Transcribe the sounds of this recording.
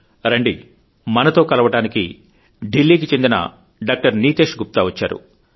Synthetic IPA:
ɾɐɳɖḭ | mɐnɐt̪o̞ːkɐlɐʋɐʈaːnikḭ | ɖilːiːk̬it͡ʃe̞nd̪inɐ̰ | ɖaːk̚ʈɐɾniːt̪e̞ːʂɡup̚t̪aːʋɐt͡ʃːa̰ːɾṵ

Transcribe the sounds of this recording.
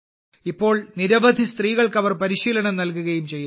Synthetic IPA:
ipːo̞ːɭniɾɐʋɐd̪ʱist̪riːɣɐɭkɐʋɐrpɐɾiɕiːlɐɳɐmnɐlkuɣɐjumt͡ɕe̞jːu

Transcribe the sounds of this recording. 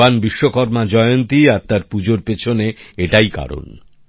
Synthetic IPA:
anbiʃːokɔɾmad͡ʑɔeont̪iaɾt̪aɾpud͡ʑoɾpet͡ɕʰoneeʈajka̰ɾo̰n

